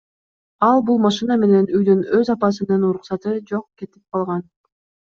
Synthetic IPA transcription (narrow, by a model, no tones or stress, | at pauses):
ɑlˠbulˠmɑʃɨname̞ne̞nyjd̪ynøzɑpɑs̬ɯnɯnuɾuqsɑt̪ɯd͡ʒo̞qke̞t̪ip̚qʰɑlˠʁɑn